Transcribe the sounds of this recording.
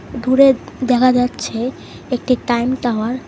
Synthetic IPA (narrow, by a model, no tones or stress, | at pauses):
d̪uɾed̪ɛkʰad͡ʒatːt͡ʃʰe | ek̚ʈiʈajmʈawaɾ